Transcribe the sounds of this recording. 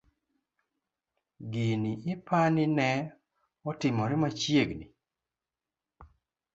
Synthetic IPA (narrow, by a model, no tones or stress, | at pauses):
ɡiniɪpʰanɪnɛ | ɔtɪmɔɾɪmat͡ʃjeɡni